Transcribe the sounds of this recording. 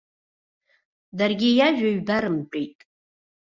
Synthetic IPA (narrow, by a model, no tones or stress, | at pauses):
darɡʲɪjaʒᶣaɥbaɾɨmpʷʼejtʼ